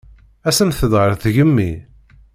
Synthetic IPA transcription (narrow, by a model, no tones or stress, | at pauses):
æsəmθəðʁəɾˤθʝəmːi